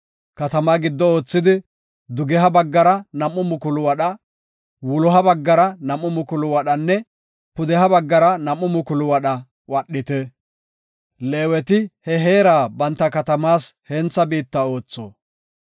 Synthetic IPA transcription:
kɐt̪ɐmaːɡɪd̪ːɔo̞ːt͡sːɪd̪ɪ | d̪ʊɡɛɦɐbɐɡːɐɾɐnɐmːʊmʊkʊlʊwɐɗɐ | wʊlɔɦɐbɐɡːɐɾɐnɐmːʊmʊkʊlʊwɐɗɐnːɛ | pʊd̪ɛhɐbɐɡːɐɾɐnɐmːʊmʊkʊlʊwɐɗɐ | wɐɗːɪt̪ɛ | leːwɛt̪ɪhɛɦe̞ːɾaːbɐnt̪ːɐkɐt̪ɐmaːshɛnt͡sːɐbiːt̪ːɐo̞ːt͡sːo̰ː

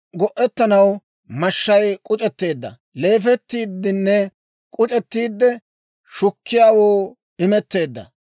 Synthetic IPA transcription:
ɡɔʔɛt̪ːɐnɐw | mɐʃːɐjkʼʊt͡ʃʼɛt̪ːe̞ːd̪ːɐ̰ | le̞ːfɛt̪ːiːd̪ːɪnːɛ | kʼʊt͡ʃʼɛt̪ːiːd̪ːɛ | ʃʊkːɪjaːwoː | ɪmɛt̪ːe̞ːd̪ːɐ̰

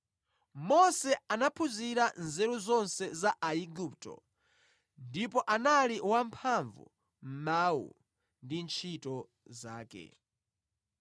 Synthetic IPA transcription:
mɔsɛanapʰuziɾanzɛɾuzɔnsɛzaʔaiɡuptɔ̰ | ndipɔʔanaliwampʰaɱvṵ | m̩mawṵ | ndint͡ʃʰitɔ | zaːkɛ̰

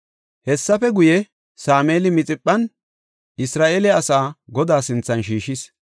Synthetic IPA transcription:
hɛsːɐfɛɡʊjɛ | saːmeːlɪmɪt͡sʼɪpʼːɐn | ʔɪsɾaːʔeːlɛɐsaːɡɔd̪aːsɪnt͡sːɐnʃiːʃɪs

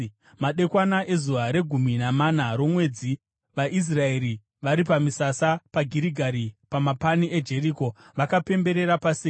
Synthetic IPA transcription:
maɗe̞kwanaʔe̞zuaɾe̞ɡʱuminamanaɾo̞mwe̞ːd͡zi | ʋaʔis̬rae̞ɾi | ʋaɾipamisasapaɡʱiɾiɡʱaɾipamapanie̞d͡ʒe̞riko̞ | ʋakape̞mbe̞ɾe̞ɾapasiː

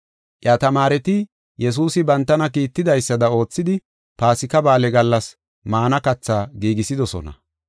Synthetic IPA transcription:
ʔjɐt̪ɐmaːɾɛt̪ɪ | jɛs̬uːsɪbɐnt̪ːɐnɐkiːt̪ːɪd̪ɐjsːɐd̪ɐo̞ːt͡sːɪd̪ɪ | paːsɪkɐbaːlɛɡɐlːɐs | maːnɐkɐt͡sːaːɡiːɡɪsɪd̪ɔsɔ̰nɐ̰

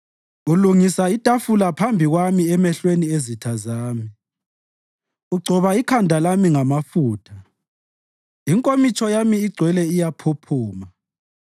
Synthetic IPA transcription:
uluŋisaitʼafulapʰambʱiɣwamiɛmɛɬweniezitʰazaːmi | uɡ͡ǀʱɔβaikʰandʱalamiŋamafuːtʰa | iŋkʼomit͡ʃʼɔjamiːɡ͡ǀʱwɛlɛijapʰopʰuːma

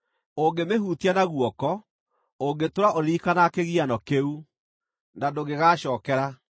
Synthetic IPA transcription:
oɡemeɦuːtianaɣwɔkɔ | oŋɡetoɾaʔoɾiːkanakeɣianɔkeu | nadoɣeɣaɕɔːkɛɾa

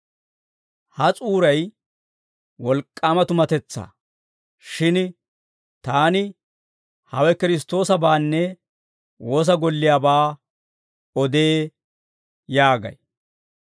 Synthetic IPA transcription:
hɐt͡sʼuːɾɐj | wɔlkʼːaːmɐt̪ʊmɐt̪ɛt͡sːa̰ː | ʃɪn | t̪aːnɪ | hɐwɛkɪɾɪs̬t̪o̞ːsɐbaːnːɛ | wo̞ːs̬ɐɡɔlːɪjaːbaː | ɔd̪eː | jaːɡɐ̰j

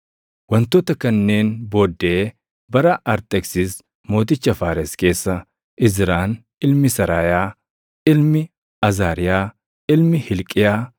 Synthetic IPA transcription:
wɐnt̪oːt̪ɐkɐnːe̞ːnbo̞ːd̪ːe | bɐɾɐʔɐɾt̪ʼɛksɪs | mo̞ːt̪ɪt͡ʃːɐfaːɾɛske̞ːsːɐ | ʔɪzɪɾaːn | ɪlmɪsɐɾaːjaː | ɪlmɪ | ɐzaːɾɪjaː | ɪlmɪhɪlkʼɪjaː

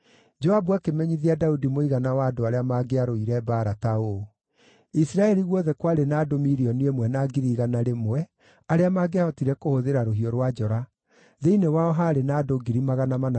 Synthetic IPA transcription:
d͡ʒɔabwakemɛɲiðiadaudimoiɣanawaːdoaɾeamaɡeaɾoiɾɛbaɾatao | isiɾaɛɾiɣwɔðɛkwaɾenaːdomiɾiɔniemwɛnaɡiɾiɣanaɾemwɛ | aɾeamaːɡeahɔtiɾɛkohoðeɾaɾoɦiɔɾwad͡ʒɔɾa | ðeinewaɔɦaɾenaːdoɡiɾimaɣanamana

